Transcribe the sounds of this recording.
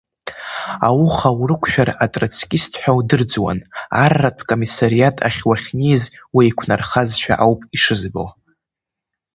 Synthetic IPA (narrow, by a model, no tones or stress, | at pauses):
awʊχawrɨkʷʰʃᶣaratʼrat͡sʰkʲʼɪstʰħʷᶣawdɨrd͡zwa̰na̰rːapʰkʼo̞misaɾijatʼa̰χʲwaχʲnizwiikʷʰnarχazʃᶣa̰ʔawpʼiʂɨzbɨl